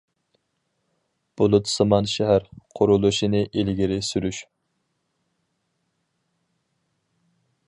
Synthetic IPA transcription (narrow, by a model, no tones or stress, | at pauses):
b̥ʊlˠut̪sɨmɑnʃɛɦæɾqʰʊɾulˠuʃinɨʔilɡʲiɾɪsyɾyʃ